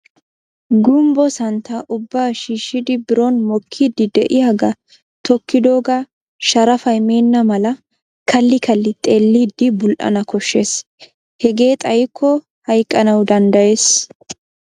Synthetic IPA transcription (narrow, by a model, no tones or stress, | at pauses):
ɡʊmbɔsɐnt̪aʔʊbːaːʃiːʃːɪd̪ɪbɪɾɔnmɔkʰːid̪ːɪd̪ɛʔɪjaɡɐ | t̪ʰɔkːɪd̪oːɡa | ʃɐɾɐfɐjme̞ːnːɐmɐlɐ | kʰɐlːɪkɐlːɪt̪ʼe̞ːlːiːd̪ːɪbʊlʔɐ̰nɐkɔʃːe̞ːs | hɛɡe̞ːt̪ʼɐjkʰːɔ | hɐjkʼːɐnɐwd̪ɐnd̪ɐje̞ːs